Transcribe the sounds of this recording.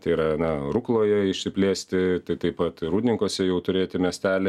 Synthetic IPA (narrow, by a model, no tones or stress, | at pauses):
t̪ɐɪiɾɐnɐruːklˠoːjɛɪʃʲsʲɪpʲlʲeːsʲt̪ʲɪt̪ɐɪt̪ɐɪpɐt̪ɾuːdʲnʲɪŋkoːsʲɛjɛʊt̪ʊɾʲeːt̪ʲɪmʲɛsʲt̪ʲæːlʲɪ